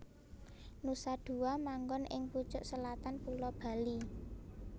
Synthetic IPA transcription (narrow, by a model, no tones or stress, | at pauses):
nusad̪̥ṳamaŋɡɔnʔɪ̰ŋput͡ʃʊʔsəlat̪anpulɔb̥a̤li